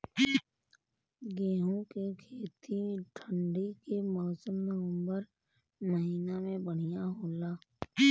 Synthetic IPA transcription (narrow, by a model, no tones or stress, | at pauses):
ɡeːɦõkekʰeːt̪ʰiʈʰəɳɖikemɔːsəmnəʋə̃mbəɾ | məɦiːnamẽbəɽ̤̃ijaɦoːlaː